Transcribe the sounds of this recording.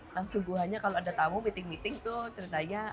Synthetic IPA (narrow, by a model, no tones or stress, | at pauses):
laŋsuŋɡuɦaɲakaloadat̪amʊmit̪ɪŋmit̪ɪŋt̪ʊt̪əɾit̪aɲa